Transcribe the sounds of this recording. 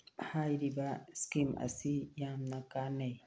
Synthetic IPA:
haiɾibaskima̰sijamnakanej

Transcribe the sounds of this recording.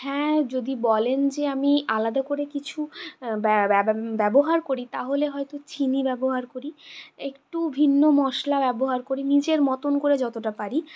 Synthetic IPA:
hɛ̃d͡ʑod̪ibɔlend͡ʑeamialad̪akoɾekit͡ɕʰubbɛboɦaɾkoɾit̪aɦoleɦɔet̪ot͡ɕʰinibɛboɦaɾkoɾiekʈubʱinːomɔʃlabɛboɦaɾkoɾinid͡ʑeɾmɔt̪onkoɾed͡ʑɔt̪oʈapaɾi

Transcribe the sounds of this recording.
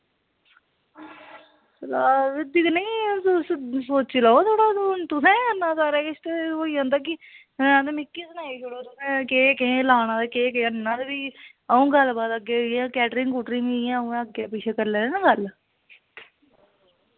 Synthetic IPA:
laːɪd̪iknẽsssoːt͡ʃilaːot̪ʰoːɽaːt̪ʊsɛ̃ːənːãːsaːɾɛːkɪʃʰt̪eoːiːɦə̃ːnd̪aːk̬ɪ̃ | d̪eːmɪkːiːsənaːiːʃʊɽoːt̪ʊsɛ̃ːkeːkẽlaːnãːd̪ekeːkeːənːãːd̪ebiː | əũːɡəlbaːd̪əɡejãːkɛːʈɾɪŋkuːʈɾĩŋijãːũːəɡaːpɪʃʰeːkəɾlɛ̃ːnãːɡəl

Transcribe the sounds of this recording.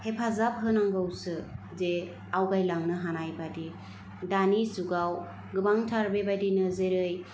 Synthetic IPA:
hepʰazap̚ɦɯnaŋɡawsɯ | ze | awɡajlaŋnɯɦanajbadi | danizuɡaw | ɡɯbaŋtʰaɾbebadinɯzeɾɯj

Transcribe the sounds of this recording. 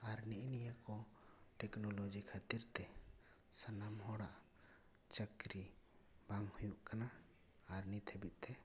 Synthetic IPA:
aɾniʔnijəkɔʈɛknɔlod͡ʒikʰat̪iɾt̪ɛ | sanamɦɔɽaʔ | t͡ʃəkɾi | baŋhujuʔkana | aɾnit̪ʰɛbit̪̚ˀt̪ɛ

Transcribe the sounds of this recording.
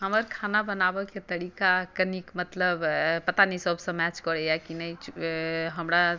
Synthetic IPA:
ɦəməɾkʰanabənabəket̪əɽikakənikmət̪ləbpət̪anisəbʱsə̃mɛt͡ʃkɔɽɛjakinəjt͡ʃɦəmɾa

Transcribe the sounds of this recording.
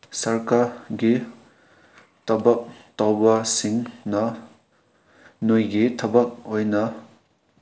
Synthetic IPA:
sɐɾkaɾɡi | tʰɐbɐk̚tawbɐsiŋnɐ | nojɡitʰɐbɐk̚ojnɐ

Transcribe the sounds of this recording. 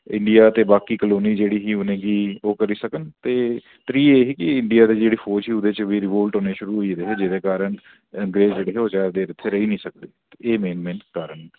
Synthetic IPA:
ɪ̰̃ɳɖijaːt̪eːbaːkiːkəloːniːd͡ʒeːɽiːɦiːʊnẽːɡiːoːkəɾiːsəkənt̪eː | t̪ɾiːeːɦiːkɪɪɳɖijaːd̪eːd͡ʒeːɽiːpʰoːd͡ʒɦiːʊd̪eːt͡ʃʋiːɾɪʋoːlʈoːneːʃʊɾuːɦoiːd̪eːɦɛːd͡ʒɪd̪eːkaːɾəɳ | əŋɡɾeːd͡ʒd͡ʒeːɽeːɦɛːoːd͡ʒaːɾd̪eːɾɪt̪ʰːeːɾəɦiːnĩːsək̚d̪eːt̪eeːmẽːnmẽːɳʈːkaːɾəɳ

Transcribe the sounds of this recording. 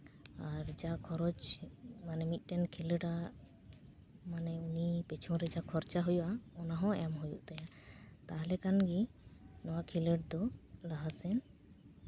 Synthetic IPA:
aɾd͡ʒakʰɔɾɔd͡ʒmanɛmit̪̚ˀʈɛnkʰiləɖa | manɛunipɛt͡ʃʰɔ̃ɾɛd͡ʒakʰɔɾt͡ʃaɦujuʔaɔnaɦɔ̃ɛamɦujuʔt̪ajat̪aɦlɛkanɡinɔwaʔkʰiləʈd̪ɔlaɦasɛn

